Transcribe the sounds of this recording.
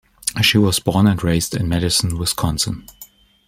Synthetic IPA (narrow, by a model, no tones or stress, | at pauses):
ʃiwʌzbɔɹnɨ̃nɹeɪsdɨ̃nmɛɾɨsn̩wɪskʰɑ̃nsə̃n